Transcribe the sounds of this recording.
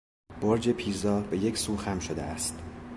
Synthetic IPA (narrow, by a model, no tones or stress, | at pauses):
b̥oɾd͡ʒepʰiːzɒːbe̞je̞csuːxæmʃod̪ḛæst̪